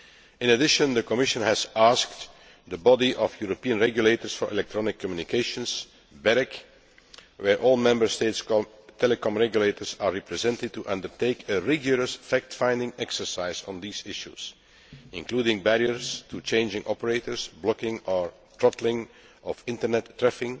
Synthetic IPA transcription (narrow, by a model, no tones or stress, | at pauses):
ɪ̃nədɪʃə̃nd̪əkɔmɪʃə̃nhæzask̚t | d̪əbɔdiʔɔfjuɹopiə̃nɹɛɡjuleɪtəɹsfɔɹʔɛ̰lɛk̚tɹɔnɪkʰːɔmjunɪkʰeɪʃə̃ns | bɛɹɪk | wɛɹʔɔːlˠmɛ̃mbəɹsteɪtsktʰɛləkɔ̃mɹɛɡjuleɪtəɹsaɹɹɛpɹɛzɛ̃ntɪd̚tuʔʌ̃ndəɹteɪkəɹɛɡjʊɹəsfæk̚tfãɪ̃ndɪ̃ŋɛksə˞saɪzɔ̃n̩d̪iːzɪʃṵz̥ | ɪ̃nkluːdɪ̃ŋbæɹiəɹstut͡ʃẽɪ̃nd͡ʒɪ̃ŋʔɔpəɹeɪtəɹzblɔkɪ̃ŋɔɹ | tɹɔtl̩ɪ̃ŋ | ʔɔfɪ̃ntənɛtːɹɛfɪ̃ŋ